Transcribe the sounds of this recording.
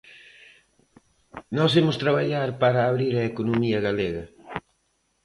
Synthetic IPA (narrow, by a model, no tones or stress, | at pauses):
nɔsemʊst̪ɾɐβaʎaɾpaɾɐːβɾiɾɐekonumiɐɣaleɣɐ